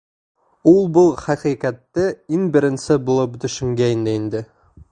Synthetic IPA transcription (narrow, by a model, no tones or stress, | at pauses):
ulˠbʊlˠχæqiqæt̪ːɘiŋbɘ̆ɾɘ̆nsɘbulˠɤp̚d̪ɵ̆ʃɵ̆ŋɡʲæind̪ɘind̪ɘ